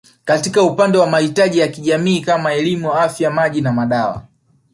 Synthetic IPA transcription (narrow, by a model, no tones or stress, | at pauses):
katikaupandɛwamahitaʄijakiʄamiːkamaɛlimuafjamaʄinamaɗawa̰